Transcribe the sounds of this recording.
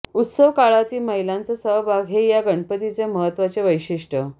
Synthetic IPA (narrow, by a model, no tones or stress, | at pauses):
ut̪səʋkaɭat̪iːməɦilãnt͡səsəɦbʱaɡʱɦejaɡəɳpət̪it͡ɕjaməɦət̪ːʋat͡seʋəjɕiʂʈə